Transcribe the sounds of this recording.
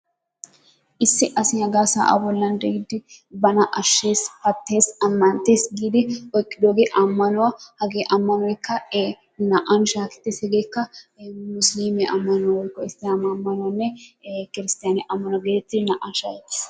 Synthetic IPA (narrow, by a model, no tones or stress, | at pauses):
ʔɪsːɪʔɐsɪnɐɡaːsa̰ːʔa̰bɔlːɐnd̪ɛɪd̪ɪbɐnɐʔɐʃːe̞ːspɐt̪ːe̞ːsɐmːɐnt̪ːe̞ːsɡiːd̪ɪɔjkʼːɪd̪oːɡeʔɐmːɐnʊwɐhɐɡeːʔɐmːɐnʊɛkːɐ | nɐʔɐnʃaːkɛ̥t̪ːɪshɛɡekːɐmʊsliːmɛʔɐmːɐnʊwɐwɔjkːɔɪst̪ːɪjɐmɐmːɐnʊwɐnːɛkɪɾɪst̪ɪjɐnɪʔɐmːɐnʊwɡeːɛt̪ːɪnɐʔɐnʃaːkɛt̪ːɪ̥s